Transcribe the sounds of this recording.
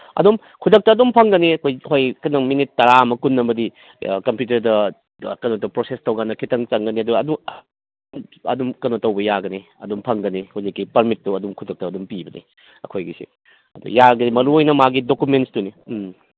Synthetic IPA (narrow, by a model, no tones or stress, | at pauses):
ɐ̰dum | kʰudɐk̚tɐɐdumpʰɐŋɡɐniɐkʰojɦojkɐnɐŋminitːɐɾaɐmɐkunːɐmɐdi | kɐmpjut̬ɐɾdɐ | kɐnotːɐpɾosestɐwɡanːɐkʰitɐŋt͡ʃɐŋɡɐniɐduɐdu | ɐ̰dumkɐnotːɐwbɐjaɡɐni | ɐ̰dumpʰɐŋɡɐnihuzikːipɐɾmit̚ːuɐdumkʰudɐk̚tɐːdumpibɐnʔḭ | ɐkʰojɡisḭ | ɐ̰dṵjaɡɐnimɐɾuojnɐmaɡidokumentstunim